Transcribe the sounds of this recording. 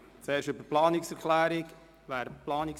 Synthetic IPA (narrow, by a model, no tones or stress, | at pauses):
t͡sɛːɾʃʏbəplɑːnɪksɛɾkʰlæːɾɪk | væːɾplɑːnɪk